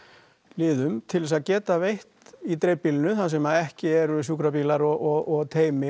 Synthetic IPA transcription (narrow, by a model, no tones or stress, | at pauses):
lɪːðʏmt̪ʰɪlvɛsaðcɛːt̪avejht̪it̪ɾeːjpilnʏθansɛmaðɛhcɪɛɾʏs̬uːkɾapiːlaɾɔɣɔɣɔɣt̪ʰeːjmɪ